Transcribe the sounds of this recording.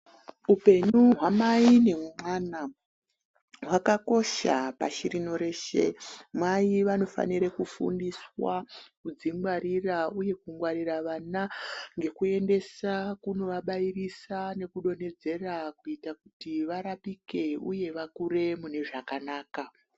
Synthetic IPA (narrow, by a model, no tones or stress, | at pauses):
upe̞nuɦwamaine̞mwana | ɦwakako̞ʃa̰pa̰ʃiɾino̞ɾe̞ʃḛmwaiʋano̞fa̰niɾekufṵndiswakud͡ziŋɡwaɾirauje̞kuŋɡwaɾiraʋanaŋɡe̞kue̞nde̞sakuno̞ʋaɓairisane̞kuɗo̞ne̞d͡ze̞rakuitakutiʋaɾapike̞ṵje̞ʋakuɾe̞mune̞ʐakanaːka